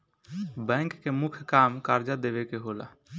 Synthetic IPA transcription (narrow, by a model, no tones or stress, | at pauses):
bɛ̃ŋkːemʊkʰjkaːmkaɾd͡ʒad̪eʋekeɦola̰